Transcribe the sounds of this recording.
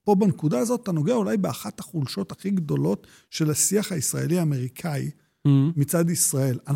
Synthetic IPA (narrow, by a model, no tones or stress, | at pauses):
po̞bankudaːzo̞tːtːano̞ɡeaulajbeaχathaχulʃo̞thaχiɡd̪o̞lo̞t | ʃe̞lasiaχhaisʁaeliaːme̞ʁikʰaḭ | mit͡sad̪isʁae̞lan